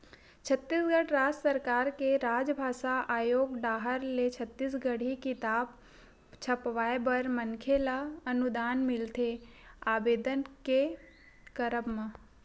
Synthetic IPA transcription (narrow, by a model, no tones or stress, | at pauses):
t͡ʃʰət̪ːiːsɡəɽɾaːd͡ʒsəɾkaːɾkeɾaːd͡ʒbʱaːʃaʔaːjoːɡɖaːɦəɾlet͡ʃʰət̪ːiːs̬ɡəɽ̤ikɪt̪aːb | t͡ʃʰɐpʋaːebɐɾmənkʰelaɐnud̪aːnmɪlt̪ʰeaːbeːd̪ənke | kəɾəbmã